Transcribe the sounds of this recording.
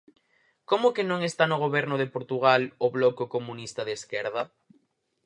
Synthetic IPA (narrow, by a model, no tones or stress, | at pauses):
komokenõŋest̪anoɣ̞oβɛɾnoðepoɾt̪uɣ̞aloβlokokomũnist̪aðeskɛɾð̞a